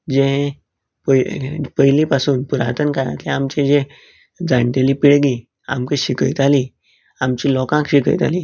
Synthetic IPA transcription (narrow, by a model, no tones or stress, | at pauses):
d͡ʑeɦe | pəpəjlipasuːnpuɾat̪ənkəɾã̰t̪lẽamt͡ɕẽd͡ʑe | d͡zaɳʈeliːpiɭɡiː | a̰mkeɕikəjt̪ali | amt͡ɕilɔkãkɕikə̰jt̪a̰liː